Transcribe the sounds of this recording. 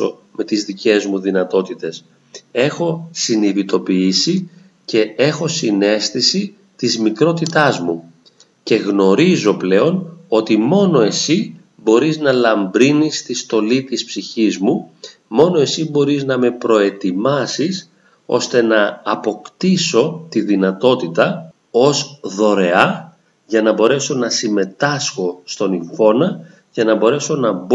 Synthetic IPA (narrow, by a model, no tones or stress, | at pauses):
o̰ | me̞t̪izðice̞zmuðinɐt̪o̞t̪it̪e̞s | e̞xo̞siniðit̪o̞piisi | ce̞e̞xo̞sine̞st̪isi | t̪izmikɾo̞t̪it̪ɐzmu | ce̞ɣno̞ɾizo̞ple̞o̞no̞t̪imo̞no̞e̞si | bo̞ɾiznɐlɐmbɾinist̪ist̪o̞lit̪ispsiçizmu | mo̞no̞e̞sibo̞ɾiznɐme̞pɾo̞e̞t̪imɐsis | o̞̰st̪e̞nɐːpo̞kt̪iso̞t̪iðinɐt̪o̞t̪it̪ɐ | o̞zðo̞ɾe̞ɐ | ʝɐnɐbo̞ɾe̞so̞nɐsime̞t̪ɐsxo̞st̪o̞niɱfo̞nɐ | ʝɐnɐbo̞ɾe̞so̞nɐb